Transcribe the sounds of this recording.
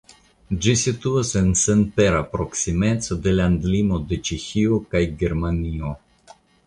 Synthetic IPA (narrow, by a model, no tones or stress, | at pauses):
d͡ʒisit̪uase̞nsenpe̞ɾapɾo̞ksime̞t͡sod̪e̞land̪limo̞d̪e̞t͡ʃexiokajɡe̞ɾmanio̞